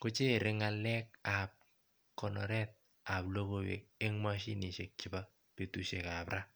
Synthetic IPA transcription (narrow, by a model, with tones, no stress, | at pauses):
kʊ˦t͡ʃe˦˨ɾɪ˦ŋa˨lɛ˦k̚a˨p̚ | kɔ˨nɔ˨ɾɛ˦t̪̚ | a˨plo˦ɡo˦wḛ˨k̚e˦ŋma˦ʃi˦ni˨ʃe˨k̚t͡ʃɪ˨ba˦ | pe˨tu˦ʃe˨ka˨pɾa˦